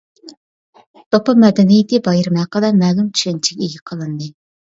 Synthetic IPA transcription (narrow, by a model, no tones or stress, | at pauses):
t̪opɑmɛd̪ɛnijɪt̪ɨbɑjɪɾmæqəlɛmɛːlˠumt͡ʃʰy̥ʃɛnt͡ʃʰɛ̥kʲeɡʲɛqʰəlˠɨnd̪ɨ